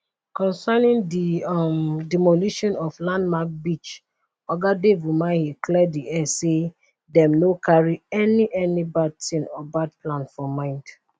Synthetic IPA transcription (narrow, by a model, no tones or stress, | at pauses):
kɔ̃nsanĩndimdɛmoliʃɔ̃nɔflãndmak̚bit͡ʃ | ɔɡadevumãhiklɛdiʔɛse | dɛ̃mnokʰaɹiɛniʔɛnibad̚tĩnɔbad̚plãnfɔmãɪ̃nd̥